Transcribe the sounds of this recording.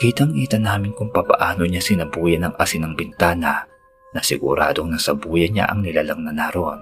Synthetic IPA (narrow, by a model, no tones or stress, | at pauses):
kiːt̪ɐŋʔiːt̪ɐnaːmɪnkʊŋpɐbɐ̰ʔaːno̞ɲasɪnɐbuːjɐnɐŋʔasɪnɐŋbɪnt̪aːnɐ | nɐsɪ̰ɡʊ̰ɾa̰ːd̪o̞ŋnɐsɐbuːjɐɲa̰ʔɐ̰ŋnɪlalɐŋnɐnaːɾoʔn